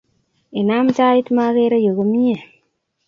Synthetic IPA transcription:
e˨na˦mt͡ʃa˦i˦tma˦ɣe˦ɾe˦jo˨ɣo˦mi˦e˨

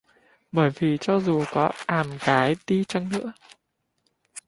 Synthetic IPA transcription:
ɓəː˧˩jvi˨˩t͡ɕɔ˧zu˨˩kɔ˨˦ʔaː˨˩mɣaː˨˦jt̪i˧t͡ɕa˧ŋnɨ̰˧˥ə

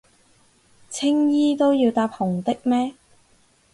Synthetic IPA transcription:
t͡sʰɪ˥ŋjiː˥t̪o˥wjiː˧wt̪aː˧˥p̚hʊ˨˩ŋt̪ɪ˥k̚mɛː˥

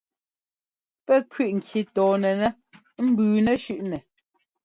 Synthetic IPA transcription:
pɛ˦˨kɥi˦˨ʔŋ̩˨kʰji˨tɔː˨nɛ˨nɛ˦ | m̩˦bʉː˨nɛ˦˨ʃʉ˦˨ʔnɛ˨

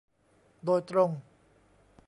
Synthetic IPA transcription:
d̪oː˧jt̪ɾo˧ŋ

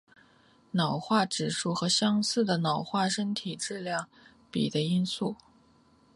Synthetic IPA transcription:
nɑ˨˩ʊxwa˥˩ʈ͡ʂɻ̩˨˩ʂu˥˩xɤ˧˥ɕjɑ˥ŋsɹ̩˥˩d̪ə˩nɑ˨˩ʊxwa˥˩ʂə˥nt̪ʰi˨˩ʈ͡ʂɻ̩˥˧ljɑ˥˩ŋ | pḭ˨˩d̪ə˦i˥nsu˥˩

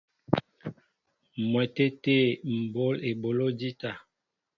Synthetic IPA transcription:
mwɛ˨te˦te˦˨m̩˨bo˦le˨bo˨lo˦di˦ta˨

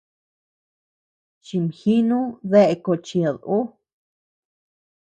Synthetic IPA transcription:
t͡ʃi˧mhi˦nũ˦ðe˦ʔe˧ko˧˨t͡ʃi˧˨ðu˦

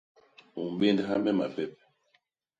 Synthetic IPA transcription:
u˨m˨be˦ndɛ˦ɦa˦mɛ˦ma˨pɛ˦pɛ˦

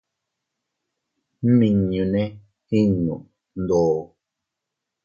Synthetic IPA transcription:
m̩˦mi˨ŋɲu˨nɛ˦ | hi˦ɲṵ˨ʔ | n̩˦dɔː˨

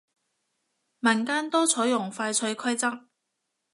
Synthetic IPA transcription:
mɐ˨˩nkaː˥nt̪ɔː˥t͡sʰɔː˨˥jʊ˨˩ŋfaː˧jt͡sʰɵ˧ɥkʰɐ˥jt͡sɐ˥k̚

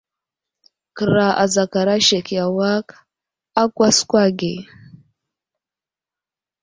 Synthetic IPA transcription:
kɨ˨ɾa˨ʔa̰˨za˨ka˨ɾa˦ʃe˨kja˨wa˦k | a˦kʷa˦skʷa˦ɡe˨

